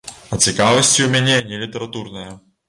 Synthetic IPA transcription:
ɐt͡sʲikavɐsʲt͡sʲiwmʲanʲɛnʲɛlʲit̪əɾat̪urnɐjɐ

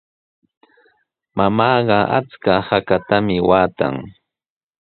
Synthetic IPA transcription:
mamɑːɢɑa̰t͡skahakat̪amɪwaːt̪a̰ŋ

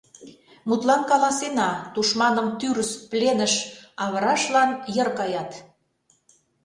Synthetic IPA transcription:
mut̪lɑnkɑlɑsenɑt̪uʃmɑnə̆mt̪yɾəsplenəʃɑβə̆ɾɑʃlɑnjərkɑjɑt̪

